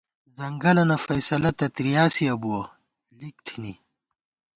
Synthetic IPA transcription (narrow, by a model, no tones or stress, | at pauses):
zɐŋɡɐlɐnɐfɐjsɐlɐt̪ɐt̪ɾijaːsiɐbuɐ | lik̚ʈʰini